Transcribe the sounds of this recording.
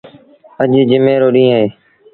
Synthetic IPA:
əʄd͡ʒɪmeːɾoːɗĩːɦeː

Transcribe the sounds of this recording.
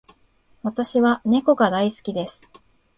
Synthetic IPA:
βat̪aɕiβane̞ko̞ɡad̪aisɨ̥kʲid̪e̞sɨ̥

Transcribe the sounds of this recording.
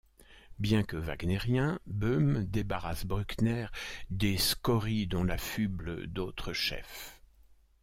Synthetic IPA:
bjɛ̃kəva̰ɡneʁjɛ̃bømd̪ebaʁasbʁyknɛʁd̪eskɔʁid̪ɔ̃lafyblə̰d̪ot̪χəʃɛ̰f

